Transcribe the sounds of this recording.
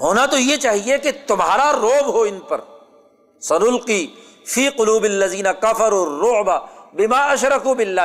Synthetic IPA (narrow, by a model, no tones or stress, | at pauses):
ɦoːnat̪ojet͡ʃaːɦieket̪ʊmɦa̰ːɾaɾoːbɦoɪnpɐɾ | sɐnʊlqiː | fiːqʊluːbɪlːɐziːnɐkɐfɐɾuːrːʊʕbabɪmaːʔɐʃɾɐkuːbɪlːaː